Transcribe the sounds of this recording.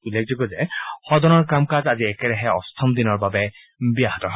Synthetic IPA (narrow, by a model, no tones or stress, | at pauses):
ulːek̚zɔɡɔzɛxɔdɔnɔɹkamkazaziɛkɛɾɛɦɛɔ̰st̪ʰɔmd̪inɔɹbabɛ | biaɦɔtɔɦ